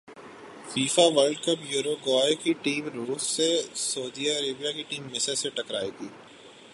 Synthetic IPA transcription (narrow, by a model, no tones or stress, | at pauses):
fiːfaʋəɾɖkəpjuːɾoɡɔːekiʈiːmɾuːssesɔːd̪iəɾeːbijakiʈiːmːɪ̃seseʈɐkɾaːit̪iː